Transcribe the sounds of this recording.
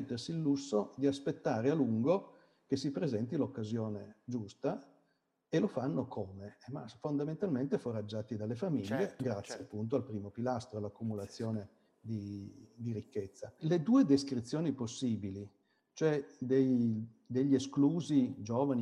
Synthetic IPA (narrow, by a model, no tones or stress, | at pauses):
t̪ːersiːlːusːod̪iaspet̪ːaːɾealuŋɡo | kesipɾezɛnt̪ilokːazjoːned͡ʒust̪a | elofanːokʰoːmemafond̪ament̪alment̪efoɾad͡ʒːaːt̪id̪alːefamiʎːeɡɾat̪sːjeapːunt̪̬oalpɾiːmopilast̪ɾoalakːumulat̪sːjoːne | d̪id̪iɾikːet̪sːaled̪uːed̪eskɾit̪sːjoːniposːiːbili | t͡ʃoɛd̪ej | d̪eʎːeskluːzid͡ʒoːvani